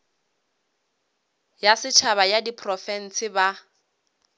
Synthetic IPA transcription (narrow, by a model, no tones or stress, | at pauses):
jasɪt͡ʃʰaβajadipʰrɔfɛn̩sʰɪba